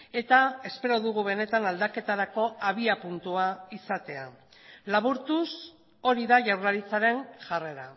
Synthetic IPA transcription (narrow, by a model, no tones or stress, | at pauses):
e̞t̪ae̞spe̞ɾo̞ðuɣuβe̞ne̞t̪anald̪ake̞t̪aɾako̞aβ̞iapunt̪uaisat̪e̞a̰ | laβ̞uɾt̪us | o̞ɾiðaʝawɾlaɾit͡saɾe̞nʝare̞ɾa